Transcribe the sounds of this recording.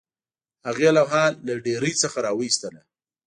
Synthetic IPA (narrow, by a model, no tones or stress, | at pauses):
haɣelaɦɑlːaɖeɾəjt͡səxaɾɑwəist̪əla